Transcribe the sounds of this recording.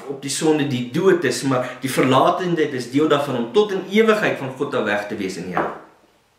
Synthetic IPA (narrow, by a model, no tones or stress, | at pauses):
ɔp̚disɔndədiduətəsmɐdifərlɑːtəntəjtəsdiəlˠdɑːrfɐnɔmtɔtəniəvəχɦəjtfɐnχɔtɐlˠvæχtəviəsəniɦæ̰